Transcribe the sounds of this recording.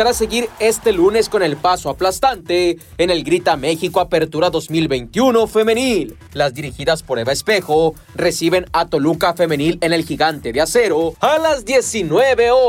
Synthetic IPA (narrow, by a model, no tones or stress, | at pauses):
aɾase̞ɣiɾe̞st̪e̞lune̞sko̞ne̞lpasoaplast̪ant̪e̞ː | ne̞lɡɾit̪ame̞xiko̞ape̞ɾt̪uɾaðo̞zmilbe̞jnt̪juno̞fe̞me̞nilː | azd̪iɾixiðaspo̞ɾeβaespe̞xo̞ | re̞siβe̞nat̪o̞lukafe̞me̞nile̞ne̞lxiɣant̪e̞ðease̞ɾo̞alazd̪je̞sinwe̞βe̞o